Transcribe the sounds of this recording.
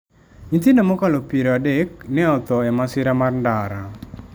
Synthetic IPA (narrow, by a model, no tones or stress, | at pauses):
int̪indomɔkalopiɾoadek̚nɪɔt̪ɔɛmasɪɾamarndaɾa